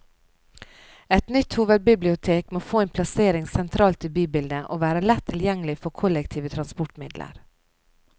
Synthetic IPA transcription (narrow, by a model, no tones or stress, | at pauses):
ɛt̪nʏt̪huːʋəd̪̚bɪblɪʊt̪ʰeːkmoːfoːeːnpʰlɑseːɾɪŋsɛnt̪ʰɾɑːlt̪ʰɪbyːbɪld̪əʔo̰ːʋæːɾəlɛt̪ʰːɪljɛŋəlɪfɔɾkʰʊlɛkt̪ʰiːʋət̪ʰɾɑnspɔʈmɪd̪lə̰ɾ